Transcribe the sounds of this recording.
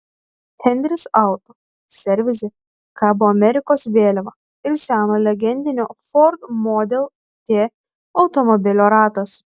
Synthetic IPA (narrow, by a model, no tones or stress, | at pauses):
hʲɛnʲd̪ʲɾʲɪsɑˑʊt̪o | sʲɛɾʲʋʲɪzʲɪ | kɑːbʊɐmʲɛɾʲɪkoːsʋʲeːlʲɛʋɐ | ɪɾsʲæːnoːlʲɛɡʲɛnʲd̪ʲɪnʲoːfɔɾd̪moːd̪ʲɛlˠ | t̪ʲeː | ɒʊt̪ɔmɔbʲɪlʲoːɾɑːt̪ɐs